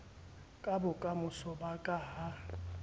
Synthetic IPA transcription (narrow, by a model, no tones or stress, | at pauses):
kʼabʊkʼamʊsɔbakʼaːha